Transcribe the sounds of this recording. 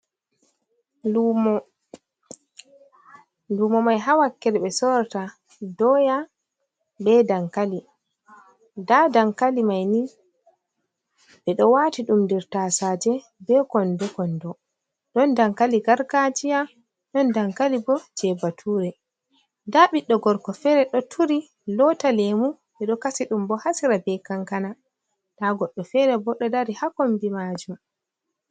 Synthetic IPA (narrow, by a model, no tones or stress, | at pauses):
u | duːmɔmajɦawakːɛɾɓɛsɔɾta | dɔja | bɛdaŋkali | dadaŋkalimajni | ɓɛɗɔwatiɗumdɛɾtasaːd͡ʒɛ | bɛkɔndɔkɔndɔ | ɗɔndaŋkaliɡaɾɡad͡ʒija | ɗɔndaŋkalibɔd͡ʒɛbatʰuːɾɛ | daɓiɗːɔɡɔɾkɔfɛɾɛɗɔtʰuɾi | lɔtalemu | bɛɗɔkasiɗumbɔhasiɾabɛkaŋkana | taɡɔɗːɔfɛɾɛbɔɗɔdaɾihakɔmbimad͡ʒum